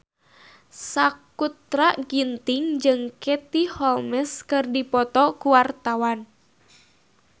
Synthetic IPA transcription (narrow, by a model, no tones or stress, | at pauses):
sakut̪ɾaɡint̪ɪŋd͡ʒɨŋket̪ihɔlmɛskɨrdipɔt̪ɔkuwart̪awan